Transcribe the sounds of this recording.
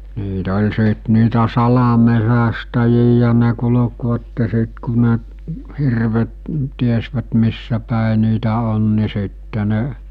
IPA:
niːt olʲ siˑt niːtæ sɑlɑmesæstæjijæ ne kulŏkʋɑtːe sit ku ne hirʋet tiesʋæt misːæpæˑe niːtæ on ni sitːe ne

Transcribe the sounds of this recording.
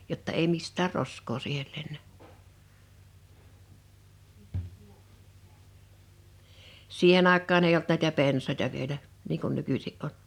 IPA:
jotːɑ ei mistˑæːr roskˑoː siːhel lenːæ siːhen ɑˑekˑɑːn ei olt næˑitæ pensɑˑĕtɑ ʋielæ niː kun nykysiʔ ʔon

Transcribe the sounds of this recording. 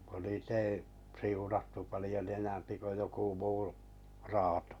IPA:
kun niːt ei siunɑtːu pɑlĭjon enæmpi ko joku muː rɑːto̥

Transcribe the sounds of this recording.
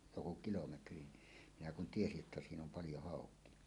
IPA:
joku kilometri minæ kun tiesiʔ ʔetːæ siːn om pɑljo hɑˑokˑie

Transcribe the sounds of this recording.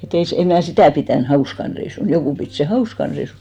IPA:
et ei se em mnæˑ sitæˑ pitæˑn hɑuskɑn reisun jokuˑ pit seˑ hɑuskɑn reisun

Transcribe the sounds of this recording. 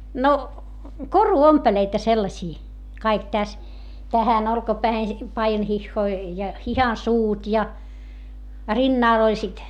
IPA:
no koruompeleitɑ selːɑsiː kɑik tæs tæhæn olkɑpæːhen pɑijɑnhihːoi jɑ hihɑnsuːt jɑ rinːɑˑl olʲ sit

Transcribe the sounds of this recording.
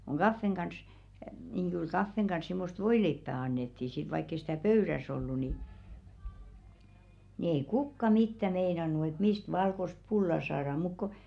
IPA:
kuŋ ɡ̊ɑfːeŋ ɡ̊ɑns niŋ kyl kɑfːeŋ ɡ̊ɑns simːost ʋoileipːæ ɑnːetːiˑ sit ʋɑikː ei sĭtæˑ pøyræs olːu ni nĭ ei kukːɑ mitːæ meinɑnu et mist ʋɑlkost pulːɑ sɑːrɑ muk ko

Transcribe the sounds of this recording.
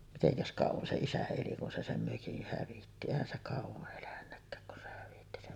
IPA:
miteŋkæs kɑˑuʋɑn se isæ eli kun se sem møkih hæʋitːi eˑihæn se kɑˑuʋɑʔ ʔelænːækːæːk kun se hæʋitːi sem

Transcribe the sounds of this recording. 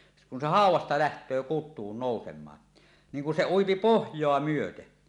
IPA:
se kun se hɑˑuwˑɑstɑ læhtˑøː kutˑuːn noˑusemˑɑːn niŋ kun se uipi pohjˑoɑ myøte

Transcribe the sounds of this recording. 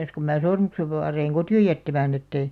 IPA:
kum mæː sormukseʋ ʋɑːreiŋ kotioj jætːæmæːn etːeĭ

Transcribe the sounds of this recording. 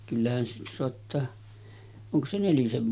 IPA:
kylːæhæn siːtæ soɑtːɑː oŋko se neliseʋ

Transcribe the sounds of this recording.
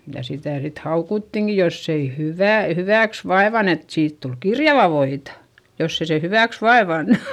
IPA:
jɑ sitæˑ sit hɑukutːiŋki josː ei hyʋæˑ hyʋæˑks ʋɑeʋɑn et siːt tul kirjɑʋɑ ʋoitɑ josː ei se hyʋæˑks ʋɑeʋɑnːu̥

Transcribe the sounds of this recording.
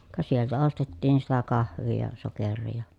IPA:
kɑ sieltæ ostetːiːn sitæ kɑhʋˑiː jɑ sokerˑiː jɑ

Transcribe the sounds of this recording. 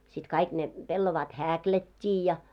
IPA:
sit kɑik ne pelːoʋɑːt hækiætʲːi jɑ

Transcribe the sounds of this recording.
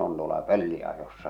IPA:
on tuolɑ pølːiɑjosːɑ

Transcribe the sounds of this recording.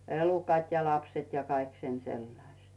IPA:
elukɑt jɑ lɑpset jɑ kɑik sen selːɑĭsʲt

